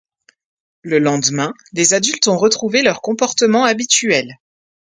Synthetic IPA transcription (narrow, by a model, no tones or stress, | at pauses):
ləlɑ̃d̪mɛ̃ | lezad̪ylt̪ɔ̃ʁət̪χuvelœʁkɔ̃pɔʁt̪əmɑ̃abit̪yɛl